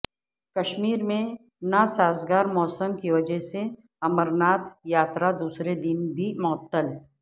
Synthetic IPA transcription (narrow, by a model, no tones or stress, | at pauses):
kɐʃmiːɾmẽ | nasaːzɡaːɾmɔːsəmkiʋɐd͡ʒɛɦse | ɐməɾnaːt̪jaːt̪ɾad̪uːsɾed̪ɪnbʱimɔːt̪ːəl